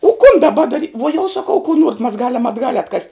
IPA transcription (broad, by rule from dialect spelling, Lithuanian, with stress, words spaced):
oː kʊn dɐˈbɐ dɐˈrʲɪ ʋuɔ jɛʊ sɐˈkɐʊ kʊ ˈnuɔrʲɛtʲ mɐs ˈɡɑːlʲɛm ɐdˈɡɐlʲ ɐtˈkɐsʲtʲ